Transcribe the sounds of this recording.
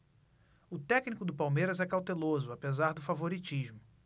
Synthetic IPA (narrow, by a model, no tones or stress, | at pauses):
ʊt̪ɛknikʊd̪ʊpawmejɾɐzɛkawt̪elozʊapezaɾd̪ʊfavoɾit͡ʃiʒmʊ